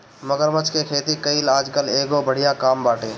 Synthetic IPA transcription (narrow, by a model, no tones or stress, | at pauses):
məɡəɾmət͡ʃkekʰeːt̪ikəilaːd͡ʒkəleːɡobəɽ̤ijakaːmbaːʈeː